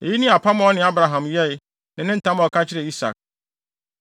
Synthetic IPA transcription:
e˨ji˦nĩ˦a˨pʰa˦m̃˦ɔ˦nɪ̃˨˦a˦bɾa˨ɦã˨mjɛ˦ɪ˦ | nɪ̃˨nɪ̃˦n̩˦tʰã˦m˨ɔ˨kʰa˦t͡ɕʰɪ˦ɾɛ˨i˦sa̰˨k̚

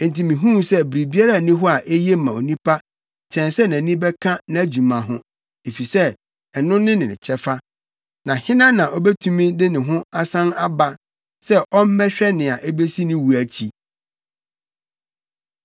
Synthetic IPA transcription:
e˨n̩˨tʰĩ˨mĩ˨ɦũ˦sɛ˦bɾi˨bi˦a˦ɾa˦˨nĩ˦ɦɔ˦a˨ʔe˦je˦mã˨o˨nĩ˦pʰa˦ | t͡ɕʰɛ̃˨nsɛ˦næ̃˨nĩ˦bɛ˦kʰã˦nã˨æ˨d͡ʑu˨mã˨ɦʊ̃˦ | e˨fi˨sɛ˦ | ɛ˨nʊ̃˦nɪ̃˦nɪ̃˨nɪ̰̃˨t͡ɕʰɛ˦fa˦ | nã˨hɪ̃˦nã˦nã˨ʔɔ˦bɛ˦tʰũ˦mĩ˦dɪ˦nɪ̃˨ɦʊ̃˦a˦sã˦na˦ba˦ | sɛ˦ʔɔ˦m̩˦mɛ̃˦ɕᶣɛ˦nɪ̃˨a˨ʔe˦be˦si˦nɪ̃˦wu˨æ˨t͡ɕʰi˦

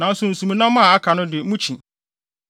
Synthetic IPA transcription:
nã˨˦n̩˦sʊ̃˦n̩˨sũ˨mĩ˨nã˦mã˦˨a˦kʰa˨nʊ̃˦dɪ˨˦mũ˦t͡ɕʰĩ˨

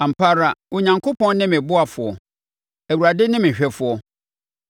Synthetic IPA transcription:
ã˨m̩˨pʰa˦ɾa˨wɔ˨ɲã˨ŋkʰo˦pʰɔ̃˦nnɪ̃˦mɪ̃˨bʊ˦a˨fʊ˨ɔ˨ | æ˨wu˨ɾa˨dɪ˦nɪ̃˦mɪ̃˨ɕᶣɛ˨fʊ˨ɔ˦

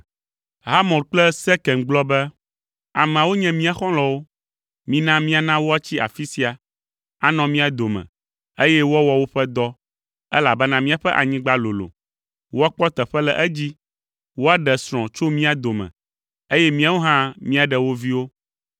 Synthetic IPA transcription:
ɦa˦mɔ̃˨ɾk͡plɛ˦sɛ˦kɛ̃˨ŋɡ͡blɔ˦bɛ˦ | a˨mɛ̃˨a˨wo˦ɲɛ̃˦mĩ˦a˨xɔ̃˦lɔ̃˨wo˦ | mĩ˦nã˦mĩ˦a˨nã˦wo˦a˦t͡ɕi˦a̰˨fi˦si˦a˨ | a˦nɔ̃˨mĩ˦a˨d̪o˨mɛ̰̃˨ | e˦jɛ˦wɔ˦wɔ˨wo˦ɸɛ˦d̪ɔ˦ | ɛ˦la˨bɛ˦nã˦mĩ˦a˨ɸɛ˦ʔa̰˨ɲĩ˦ɡ͡ba˦lo˨lo̰˨ | wo˦a˦k͡pɔ˦t̪ɛ˨ɸɛ˦lɛ˨ʔɛ˦d͡ʑi˦ | wo˦a˦ɖɛ˨sɾ̃ɔ̃˨t͡ʃo˦mĩ˦a˨d̪o˨mɛ̰̃˨ | e˦jɛ˦mĩ˦a˦wo˦ɦã˦mĩ˦a˨ɖɛ˨wo˦vi˦wo˦

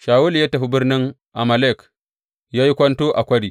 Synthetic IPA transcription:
ʃa˨wu˦lja˦ta˨ɸu˦bɨ˦ɾni˦ŋ | ʔa˨ma˨le˦˨k | ja˦ji˦kʷa˦nto˦ʔa˨kʷɐ˦ɾi˨

